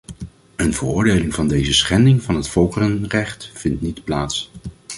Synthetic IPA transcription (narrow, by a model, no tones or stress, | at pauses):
ənvərʊːɹdejlɪŋvɑndejzəsχɛndɪŋvɑnɦətfɔlˠkərənrɛχtfɪntnitplaːts